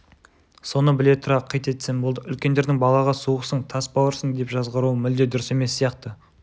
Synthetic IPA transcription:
so̞nəbɪle̞t̪ʰʊɾɑqʰːɑjt̪e̞t̪sembolˠd̪əʏlkʲe̞nd̪e̞ɾd̪ɪŋbɑlˠɑʁɑsuəqsəɴt̪ʰɑsbɑwəɾsəŋd̪e̞pʒɑzʁəɾuəmɪld̪ed̪ʊɾɪse̞me̞sːijɑqt̪ə

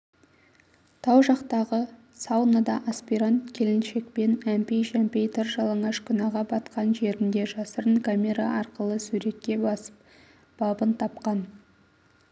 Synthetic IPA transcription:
t̪ʰɑwʒɑqt̪ɑʁə | sɑwnad̪ɑʔaspiɾant̪kʲʰe̞lɪnʃe̞k̚pe̞næmpejʃæmpejt̪ʰɪɾʒɑlˠɑɴɑʃkʲʰʏnɑʁɑbɑt̪qɑnʒe̞ɾɪnd̪e̞ʒɑsəɾəɴkʰamʲe̞ɾaʔɑɾqəlˠəsuɾe̞kʲːe̞bɑsə̥p̚ | b̥ɑbənt̪ʰɑpqɑn

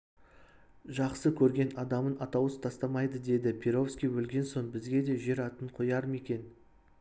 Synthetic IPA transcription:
ʒɑqsəkʲʰɵɾɡʲe̞nɑd̪ɑmənɑt̪ɑwəst̪ʰɑst̪ɑmɑjd̪əd̪e̞d̪ɪpʰʲeɾo̞fskʲijwɵlɡʲe̞nso̞nbɪzɡʲe̞d̪e̞ʒe̞ɾɑt̪əɴqʰojɑɾəme̞kʲe̞n

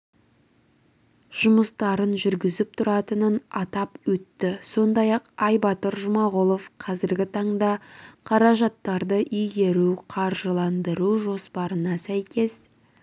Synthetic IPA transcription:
ʒ̥ʊməst̪ɑɾənʒʏɾɡʲɪzɪp̚t̪ʰʊɾɑt̪ənənɑt̪ɑpwɵt̪ːɪso̞nd̪ɑjɑqɑjbɑt̪əɾʒʊmɑʁʊlˠo̞fqʰɑzɪɾɡʲɪt̪ʰɑɴd̪ɑqʰɑɾɑʒɑt̪ːɑɾd̪əʔijɡʲe̞ɾuqʰɑɾʒəlˠɑnd̪əɾuʒo̞spɑɾənɑsæjkʲe̞s

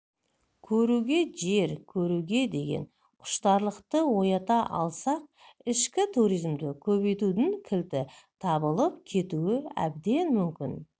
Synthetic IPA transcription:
kʲʰɵɾuɡʲe̞ʒe̞ɾkʲʰɵɾuɡʲe̞d̪e̞ɡʲe̞̰n | qʰʊ̥ʃt̪ɑɾlˠəqt̪əwo̞jɑt̪ɑʔɑ̰lˠsɑq̚ɪʃkʲɪt̪ʰuɾijzmd̪ɪkʲʰɵβe̞jt̪ud̪ɪŋkʲʰɪlt̪ɪt̪ʰɑbəlˠəp̚kʲʰe̞t̪uɪæ̰bd̪e̞nmʏmkʲɪn

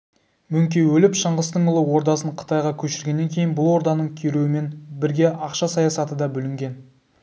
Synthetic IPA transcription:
mɵŋkʲe̞wɵlɪpʃəɴʁəst̪əɴʊlˠəwo̞ɾd̪ɑsəɴqʰə̥t̪ɑjʁɑkʲʰɵʃɪɾɡʲe̞nːe̞ŋkʲʰe̞jɪnbʊlˠwo̞ɾd̪ɑnəɴkʲʰeɾuɪme̞nbɪɾɡʲe̞ʔɑqʃɑsɑjɑsɑt̪əd̪ɑbʏlɪŋɡʲe̞n

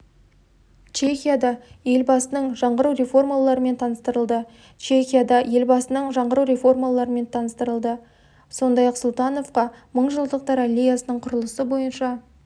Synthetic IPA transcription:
t͡ʃʰe̞xʲijad̪ɑje̞lbɑsənəɴʒɑɴʁəɾuwre̞fo̞rmalˠɑɾəme̞nt̪ʰɑnəst̪əɾəlˠd̪ə | t͡ʃʰe̞xʲijad̪ɑje̞lbɑsənəɴʒɑɴʁəɾuwɾe̞fo̞rmalˠɑɾəme̞nt̪ʰɑnəst̪əɾəlˠd̪ə | so̞nd̪ɑjɑqsʊlˠt̪ɑno̞fqɑməɴʒəlˠd̪əq̚t̪ɑɾalʲːejasənəɴqʰʊɾəlˠəsəbo̞jənʃɑ

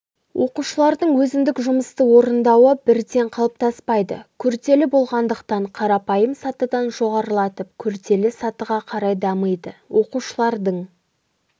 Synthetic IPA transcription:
wʔo̞quʃəlˠɑɾd̪əɴwɵzɪnd̪ɪkʒʊməst̪əwo̞ɾənd̪ɑwəbɪɾd̪e̞ɴqʰɑlˠəp̚t̪ʰɑspɑjd̪ə̰kʲʰʏɾt̪e̞lɪbo̞lˠʁɑnd̪əqt̪ɑɴqʰɑɾɑpɑjəmsɑt̪əd̪ɑnʒo̞ʁɑɾəlˠɑt̪əp̚kʲʰʏɾt̪e̞lɪsɑt̪əʁɑqʰɑɾɑjd̪ɑməjd̪əwʔo̞quʃəlˠɑɾd̪əɴ

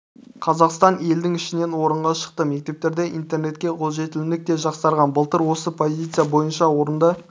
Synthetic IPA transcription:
qʰɑzɑqst̪ɑne̞ld̪ɪŋɪʃɪne̞nwo̞ɾəɴʁɑʃə̥q̚t̪əme̞k̚ʲt̪e̞p̚t̪e̞ɾd̪e̞ʔint̪erne̞t̪̚kʲe̞qʰo̞lˠʒe̞t̪ɪlɪnɪk̚t̪e̞ʒɑqsɑɾʁɑnbəlˠt̪əɾwo̞səpʰo̞zʲijt̪sɨjabo̞jənʃɑwo̞ɾənd̪ə

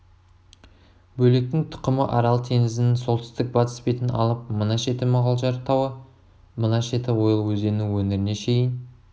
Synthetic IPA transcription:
bɵle̞k̚t̪ɪŋt̪ʰʊ̥qəməʔɑɾɑlˠt̪ʰe̞ŋɪzɪnɪso̞lˠt̪ɪst̪ɪk̚bɑt̪ə̥spe̞jt̪ɪnɑ̰lˠəp̚mənɑʃe̞t̪ɪmɑʁɑlˠʒɑɾt̪ʰɑwə | mənɑʃe̞t̪ɪwo̞jəlˠwɵzd̪e̞nuwɵneɾɪne̞ʃe̞jɪn

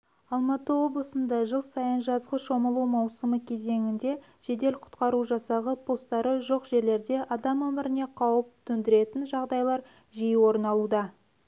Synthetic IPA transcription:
ɑlˠmɑt̪əwo̞blˠəsənd̪ɑʒəlˠsɑjənʒɑzʁəʃo̞məlˠumɑwsəməkʲʰe̞ze̞ŋɪnd̪e̞ | ʃe̞d̪e̞lqʰʊ̥t̪qɑɾuʒɑsɑʁəpʰo̞st̪ɑɾəʒo̞qʒe̞ɾle̞ɾd̪e̞ʔɑd̪ɑmɵmɪɾɪne̞qʰɑwəp̚t̪ʰʏnd̪ɪɾe̞t̪ɪnʒɑʁd̪ɑjlˠɑɾ | ʒijwo̞ɾənɑlˠud̪ɑ

